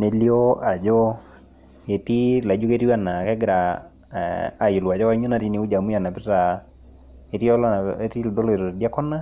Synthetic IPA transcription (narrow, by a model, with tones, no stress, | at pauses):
ne˨˦li˦o˦a˨d͡ʒɔ˦ | e˨ti˦la˨d͡ʒo˦ke˦ti˦wa˦na˨kɛ˦ɡɾa˨ | ji˨lwa˨d͡ʒɔ˦a˦ɲo˦na˨ti˦ni˨u˦d͡ʒa˨mu˦ja˨na˨pɪ˦ta˨ | e˨ti˦ɔ˦le˦ti˦ldo˦lɔ˦e˨ɾo˨e˨di˦a˦kɔ˦na˦